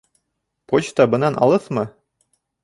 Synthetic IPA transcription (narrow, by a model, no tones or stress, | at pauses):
pot͡ɕt̪ɑbɤ̆nɑnʔɑ̰lˠɤθmɤ